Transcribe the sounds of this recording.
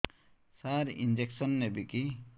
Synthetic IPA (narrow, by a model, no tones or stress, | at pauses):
saɾḭnd͡ʒeksɔnːebiki